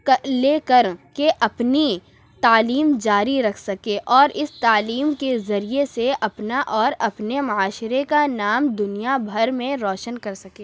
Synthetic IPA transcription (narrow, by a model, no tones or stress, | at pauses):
kəleːkəɾkeʔɐpni | t̪aːliːmd͡ʒaːɾiɾɐkʰsɐkeːʔɔːɾʔɪst̪aːliːmkezɐɾieseʔɐpnaʔɔːɾɐpnemɐaːʃɾekanaːmd̪ʊnijabʱɐɾmẽɾɔːʃənkɐɾsɐkeː